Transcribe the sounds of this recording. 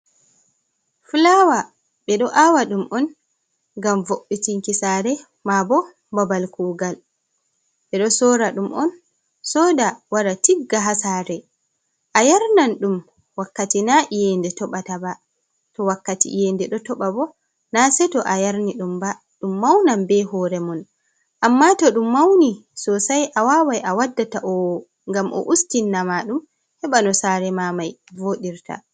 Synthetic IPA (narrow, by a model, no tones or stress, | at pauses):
fulawa | ɓɛɗɔʔawaɗumʔɔn | ŋɡamvoɓːitiŋkisaːɾɛ | mabɔ | babalkuːɡal | ɓɛɗɔsɔɾaɗumʔɔn | sɔdawaɾatiɡːaɦasaɾɛ | ʔajaɾnanɗum | wakːatinaʔijɛndɛtɔɓataba | tɔwakːatḭjɛndɛɗɔtɔɓabɔ | nasɛtɔʔajaɾniɗumba | ɗumːawnambɛɦɔːɾɛmun | ʔamːatɔɗumːawnisɔsajʔawaːwajʔawadːataʔɔw | ŋɡamʔɔ̰ʔustinːamaɗum | hɛɓanɔsaːɾɛmamajvoɗiɾtʰa̰